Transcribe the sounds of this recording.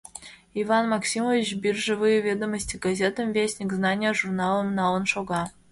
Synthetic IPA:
ivɑnmɑksʲimovʲit͡ɕbʲirʲʐɨvɨjəvʲed̪əməsʲtʲiɡɐzʲet̪əmvʲesʲnʲikznɑnʲɪjəʐurnɑlˠə̆mnɑlˠə̆nʂoɡɑ

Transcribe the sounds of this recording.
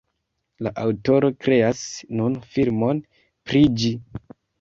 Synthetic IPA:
laʔawto̞ɾo̞kɾe̞asnunfilmo̞n | pɾid͡ʒi

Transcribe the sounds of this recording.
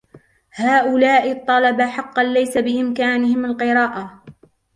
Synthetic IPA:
haːʔʊlaːʔɪt̪ˤːɑlɑbaħɑqːɑnlajsabɪʔɪmkaːnɪhɪmalqɨɾˤɑːʔa

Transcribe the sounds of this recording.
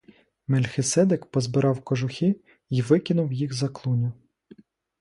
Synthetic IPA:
melʲxɪsɛd̪ekpɔzbɪɾɑwkɔʒʊxʲi | iʋɪkʲɪnʊwjixzɐklˠunʲʊ

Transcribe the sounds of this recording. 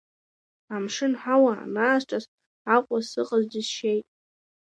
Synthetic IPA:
amʂɨnħawaa̰naːsʈ͡ʂʼaz | aqʷʼasɨqʼazdizʃejtʼ

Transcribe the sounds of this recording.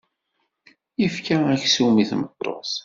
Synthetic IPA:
ifkaæçsumiθmət̪ˤːo̰s

